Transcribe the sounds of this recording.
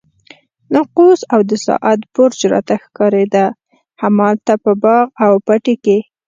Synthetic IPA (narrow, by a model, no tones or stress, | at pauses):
nɑqusawd̪əsɑ̰ʔat̪bʊɾd͡ʒɾɑ̰t̪axkɑɾed̪a | hamɑlt̪apəbɑɣawpaʈeke